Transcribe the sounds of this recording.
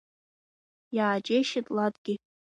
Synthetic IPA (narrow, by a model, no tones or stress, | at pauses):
jaːt͡ʃʼeʃɪtʼladɡ̥ʲɪ